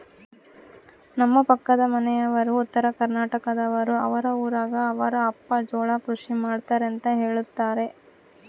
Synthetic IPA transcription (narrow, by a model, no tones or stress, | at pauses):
nɐmːɐpɐkːɐd̪ɐmɐnɛjɐʋɐɾuːt̪ːɐɾɐkɐɾnaːʈɐkɐd̪ɐʋɐɾuɐ̰ʋɐɾɐuːɾaːɡɐːʋɐɾɐːpːɐd͡ʒɔːɭɐkɾuʂimaːɽt̪aːɾent̪ɐɦe̞ːɭut̪ːaːɾe̞